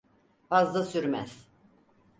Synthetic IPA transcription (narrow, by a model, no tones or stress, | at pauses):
fazd̪asyɾmæ̰z̥